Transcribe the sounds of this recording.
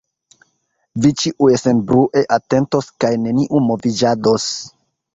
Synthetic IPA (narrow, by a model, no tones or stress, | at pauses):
vit͡ʃiʔuesenbɾuʔe̞ʔate̞nto̞skajne̞niʔumo̞vid͡ʒados